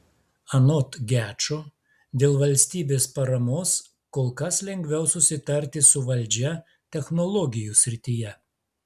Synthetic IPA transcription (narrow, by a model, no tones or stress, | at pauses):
ɐnɔt̪ɡʲæːt͡ʃo | d̪ʲeːlˠʋɐlʲsʲt̪ʲiːbʲeːspɐɾɐmoːs | koːlˠkɐslʲɛŋʲɡʲʋʲɛʊsʊsʲɪt̪ɐɾʲt̪ʲɪsʊʋɐlʲd͡ʒʲɛ | t̪ʲɛxnɔlˠɔɡʲɪjusʲɾʲɪt̪ʲɪjɛ